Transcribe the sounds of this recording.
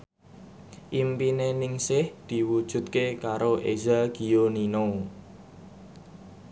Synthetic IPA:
ʔimpinenɪŋsɪhd̪̥i̤wud̥ʒ̥ṳt̪̚kekaɾoʔezaɡ̥i̤joninow

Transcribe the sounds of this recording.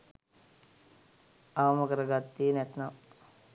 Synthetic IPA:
amɐkɐɾɐɡat̪ːiːnet̪nɐ

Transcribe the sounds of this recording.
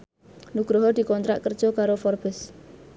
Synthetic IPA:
nuɡ̥ɾɔɦɔd̪̥i̤kɔnt̪ɾa̰ʔkərd̥ʒ̥ɔkaɾofɔrb̥ɛs

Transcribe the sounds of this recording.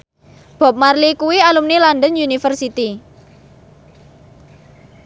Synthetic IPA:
b̥ɔ̤p̚marlikuwialumneland̪ənjunifərsit̪i

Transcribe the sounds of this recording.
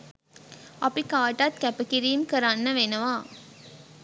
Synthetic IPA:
ɐpikaːʈɐt̪kæpəkiɾiːmkəɾanːəʋenɐʋaː

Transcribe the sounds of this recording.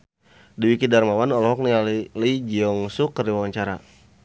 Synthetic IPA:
diwikidarmawanɔlɔɦɔk̚niallid͡ʒiɔŋsukəriwawaɲt͡ʃaɾa̰

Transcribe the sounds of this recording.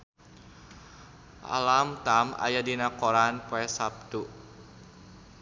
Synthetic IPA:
ʔa̰lamt̪ama̰jadinakoɾanpoɛsap̚t̪u

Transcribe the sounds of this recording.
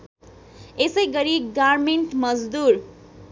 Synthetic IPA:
esʌjɡʌɾiɡaɾmeɳʈmʌd͡zd̪uɾ

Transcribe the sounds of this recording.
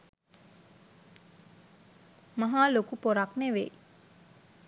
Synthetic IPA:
maɦaːlokupoɾakneʋḛ

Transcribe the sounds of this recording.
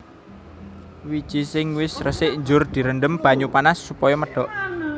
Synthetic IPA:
wid̥ʒ̥i̤sɪŋwɪsrəsɪʔɲd͡ʒʊrd̪̥i̤ɾənɖəmb̥a̤ɲupanasːupɔjɔməɖ̥ɔ̤ʔ

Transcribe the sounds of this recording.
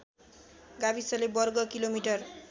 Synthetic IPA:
ɡabisʌlebʌrɡʌkilomiʈʌr

